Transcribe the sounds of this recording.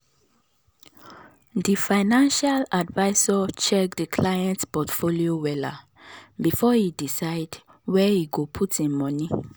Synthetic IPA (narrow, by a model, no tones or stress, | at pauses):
difaɪnãnʃaladvaɪsɔt͡ʃɛk̚dəkʰlajɛ̃ntpɔtfoliowɛla | bifɔhidisaɪd | wɛhiɡopʰutĩnmɔ̃ni